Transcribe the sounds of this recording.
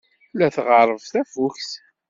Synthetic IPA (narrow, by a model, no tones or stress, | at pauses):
læθʁəɾˤəvθæfʊçθ